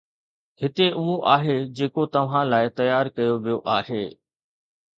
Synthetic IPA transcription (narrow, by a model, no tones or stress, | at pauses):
hɪt̪eʔʊɦoʔaːɦed͡ʑeːkot̪ɐʋ̤ãlaːɪt̪ɐjaːɾkɐjoʋijoʔaːɦeː